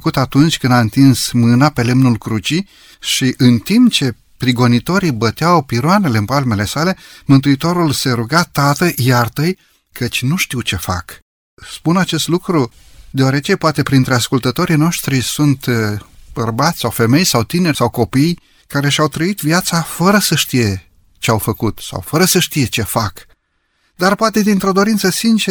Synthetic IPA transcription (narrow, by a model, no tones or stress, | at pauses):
əkut̪at̪unt͡ʃʲkɨnd̪aɨnt̪insmɨnape̞le̞mnulkɾut͡ʃi | ʃiʔɨnt̪impt͡ʃe̞ | pɾiɡo̞nit̪o̞ɾibət̪eawpiɾoane̞le̞ɨnpalme̞le̞sale̞mɨnt̪uit̪o̞ɾulse̞ɾuɡat̪at̪əʔjart̪əj | kʰət͡ʃʲnuʃt̪iwt͡ʃe̞fa̰k | spunat͡ʃe̞st̪lukɾu | d̪eoaɾe̞t͡ʃe̞poat̪e̞pɾint̪ɾe̞askult̪ət̪o̞ɾijno̞ʃt̪ɾisunt̪b̥ərbat̪sʲsawfe̞me̞jsawt̪ine̞rsawko̞pij | kaɾe̞ʃiawt̪ɾəit̪vjat̪safəɾəsəʃt̪ije̞ | t͡ʃeawfəkut̪sa̰wfəɾəsəʃt̪ije̞t͡ʃe̞fak | d̪arpoat̪e̞d̪int̪ɾo̞d̪o̞ɾint̪səsint͡ʃe